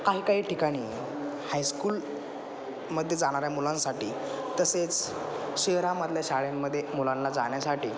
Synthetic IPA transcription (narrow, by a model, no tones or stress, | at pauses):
kaɦiːkaɦiːʈikaɽ̃iː | hajskuːl | məd̪ʱːjed͡zaɽ̃aɾjamulãnsaʈiː | t̪əset͡s | ɕeɦɾaməd̪ʱljaɕaɭemːəd̪ʱːjemulãnlad͡za̰ɳ̃jasaʈiː